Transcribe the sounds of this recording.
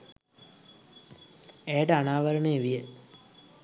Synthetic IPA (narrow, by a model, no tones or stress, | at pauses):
ejʈəanaːʋəɾəɳeːʋijə